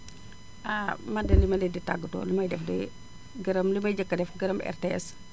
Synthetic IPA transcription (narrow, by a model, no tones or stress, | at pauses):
ʔaːmɐdɐlimɐlɛditaɡːətɔ̰limɐjdɛfdɛ̰ | ɡɐɾɐmlimɐjd͡ʒɐkːɐdɛfɡɐɾɐmɛ̰rtɛs